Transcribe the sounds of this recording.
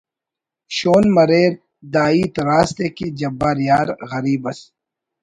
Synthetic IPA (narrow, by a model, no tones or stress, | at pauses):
ʃoːnmɐɾeːɾ | d̪aːiːt̪ɾaːst̪eked͡ʒɐbːaɾjaːɾɣɐɾiːbɐs